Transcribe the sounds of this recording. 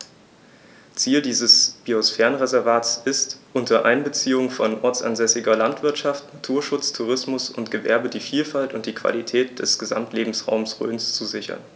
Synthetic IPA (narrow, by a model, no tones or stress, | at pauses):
t͡siːldiːzəsb̥iosfɛːɐənʁezɛɐvaːtsʔɪstʔʊntʰɐʔa̰ɪnbət͡siːʊŋfɔnʔɔɐt͡sa̰nzɛsɪɡɐlantv̥ɪɐtʃaftnatʰuːɐʃʊt͡stʰuʁ̞ɪsmʊsʊntɡ̥əvɛ̰ɐbədiːfiːlfaltʊnt̚d̥iːkv̥a̰litʰɛːt̚d̥ɛsɡ̥əza̰mtleːbm̩sʁa̰ʊmsʁø̰ːnst͡suzɪçɐ̰n